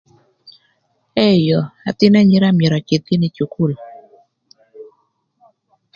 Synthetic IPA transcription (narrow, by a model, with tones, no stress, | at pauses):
ɛ˦jɔ˨a˨t̪ɪ˦na˦ɲi˦ɾa˦mjɛ˨ɾa˨ke˨t̪i˦nɪ˦t͡ʃu˨ku˦˨l